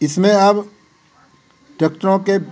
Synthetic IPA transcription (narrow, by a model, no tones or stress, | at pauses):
ɪsmẽab | ʈək̚ʈɾõke